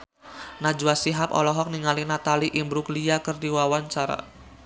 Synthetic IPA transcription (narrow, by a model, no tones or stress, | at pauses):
nad͡ʒuwasiɦapɔ̰lɔɦɔk̚niŋalinat̪aliʔimbɾukliakərdiwawaɲt͡ʃaɾa̰